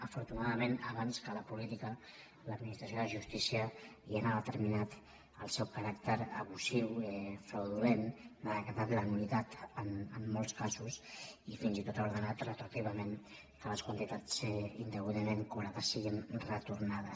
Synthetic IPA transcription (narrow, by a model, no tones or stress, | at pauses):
əfuɾt̪unaðəmenəβanskələpulit̪ikə | ləd̪̚minist̪ɾəsijoðəʒust̪isiəiənaðət̪əɾminat̪ | əlˠsɛwkaɾakt̪əɾəβuziwɛfɾəwðulenaðəkɾðat̪ləmunit̪at̪ənəmːolˠskasusifinzit̪ot̪auɾðənat̪rət̪uɾt̪iβəmen | kələskwənt̪it̪at͡ssind̪əβuðəneŋkuβɾaðəsiɣinrət̪uɾnað̞əs